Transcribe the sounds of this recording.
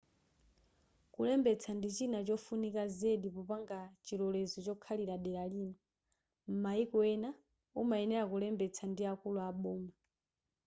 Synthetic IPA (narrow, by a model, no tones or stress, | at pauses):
kulɛmbɛt͡sʰandit͡ʃinat͡ʃɔfunikazeɗipɔpaŋɡat͡ʃilɔlɛzɔt͡ʃɔkʰaliɾaɗɛɾaliːnɔ | m̩maikɔɛna | umaɛnɛɾakulɛmbɛt͡sʰandiakuluaɓɔːma